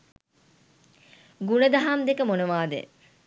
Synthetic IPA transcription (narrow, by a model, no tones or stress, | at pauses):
ɡunəd̪aɦamd̪ekəmonəʋaːd̪ḛ